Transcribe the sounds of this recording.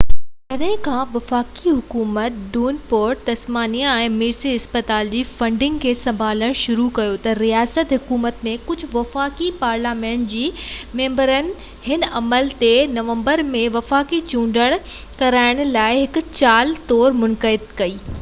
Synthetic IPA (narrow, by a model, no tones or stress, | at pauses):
d͡ʑɐɗɦɪ̃kʰãːʋɐfaːkiɦʊkuːmət̪ɖuːnpoːɾʈ̚t̪ɐsmaːniaɛ̃ːmiːɾsiɪspət̪aːld͡ʑiːfɐ̃ɳɖɪ̃ŋɡkʰeːsɐ̃mbʱaːləɽ̃ʃʊɾukɐjot̪ɐɾiaːsət̪ɦʊkuːmət̪mẽkʊd͡ʑʱʊʋɐfaːkipaːɾlaːmẽːɳʈ̚d͡ʑiːmẽːmbəɾənɪ̆ | hɪnɐməlt̪enɐʋə̃mbəɾmẽʋɐfaːkit͡ɕũːɳɖʱəɽ̃ | kɐɾaːɪɽ̃̆laːɪɦɪk̆t͡ɕaːlt̪ɔːɾmʊnkəɪd̪kɐiː